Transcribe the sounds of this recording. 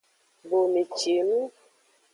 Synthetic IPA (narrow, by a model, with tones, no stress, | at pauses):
bo˨me˨t͡ʃe˨nu˦